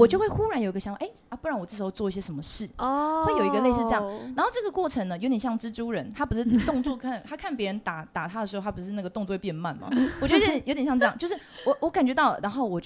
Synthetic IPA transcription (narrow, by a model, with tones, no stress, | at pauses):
wɔ˨˩t͡ɕo˥˧xwe˥˩ɪxu˥ɻa˧˥njo˨˩i˧ɡə˧ɕɑ˧˥ŋfʔe˥˩ɪ˧˩pu˥˧ɻɑ˥˩ŋwɔ˨˩ʈ͡ʂɤ˥˩ʂ̩ɻ̩˧xo˥˧ʊt͡swɔ˥˧i˥ɕjɛ˥ʂə˧˥nmə˧ʂɻ̩˥˩xwe˥˩ɪjo˨˩ʊi˧ɡə˧le˥˧ɪsɻ̩˥˧ʈ͡ʂɤ˥˧jɑ˥˨ŋna˧˥nxo˥˧ʊʈ͡ʂɤ˥˩ɡə˩kwɔ˥˩ʈ͡ʂʰə˧˥ŋnə˧˨jo˧˥ʊt̪ɕjɑ˥˩ŋʈ͡ʂɻ̩˥ʈ͡ʂu˥ɻə˧˦nt̪ʰa˥pu˧˩˥ʂɻ̩˥˩˧t̪ʊ˥˧ŋt͡swɔ˥˧˩kʰa˥˩t̪ʰa˥kʰa˥˩npjɛ˧˦˥ɻə˧˦nt̪a˨˩˦t̪a˨˩t̪ʰa˥ə˩ʂɻ̩ʰ˧˥˧a˥pu˧˩˥ʂɻ̩˥˧a˥˩ɡə˩t̪o˥˧ŋt͡sɔ˥˧we˥˩pɛ˥˧˥ma˥˩nma̰˨˦wɔ˨˩t͡ɕo˥˩˥jo˧˥t̪jɕjɑ˥˧ʈ͡ʂɤ˥˧jɑ˥˧ŋt͡ɕo˥˧ʊʂɻ̩˥˩wɔ˨˦wɔ˧˦˥ka˨˩nt͡ɕɥɛ˧˥t̪ɑ˥˩ʊlə̰˩na˧˥nxo˥˩ʊwɔ˨˩t͡ɕ